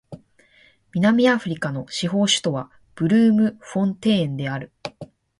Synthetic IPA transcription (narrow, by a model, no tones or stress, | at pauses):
mʲinamʲiaɸɯ̟ɾʲikano̞ɕiɦo̞ːɕɨ̥t̪o̞βa | b̥ɯ̟ɾɯ̟ːmɯ̟ɸõ̞nt̪ẽ̞ːnd̪e̞aɾɯ̟